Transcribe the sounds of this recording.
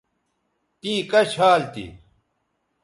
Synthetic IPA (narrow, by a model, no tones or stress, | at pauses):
t̪ĩːkɐɕʰaːlt̪ḭ